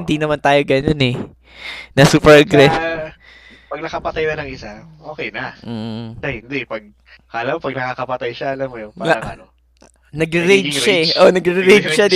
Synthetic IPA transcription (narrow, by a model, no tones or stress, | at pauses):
ɪnd̪inɐmant̪aːjoɡɐnonɛ | nɐsuːpɛɾɡɾaft̪ | pɐɡ̚nɐkɐpɐt̪ajnɐnɐŋɪsaʔoːkɛjnɐʔ̩ːɐhɪnd̪ɛpɐɡ̚ | kɐʔɐlampɐɡ̚nɐkakɐpɐt̪ajʃaʔɐlamːojʊŋpɐa | nɐɡɾɪɾejʃaɛʔo̞nɐɡɾɪɾɪɾed͡ʒʃɐd̪